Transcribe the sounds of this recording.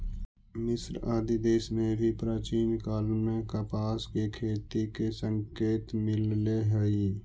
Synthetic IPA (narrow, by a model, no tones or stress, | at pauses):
mɪsɾaːd̪ʱid̪eːsmẽbʱipɾaːt͡ʃiːnkaːlmẽkəpaːskekʰeːt̪ikesə̃ŋkeːt̪mɪlleɦɛi